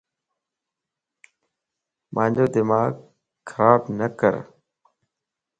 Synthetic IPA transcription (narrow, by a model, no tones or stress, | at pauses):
mʔãːɲd͡ʑoːd̪ɪmaːɡ | xʰəɾaːbnəkə̰ɾ